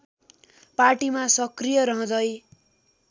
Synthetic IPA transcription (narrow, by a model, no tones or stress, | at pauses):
parʈimasʌkrijʌɾʌɦʌ̃d̪ʌj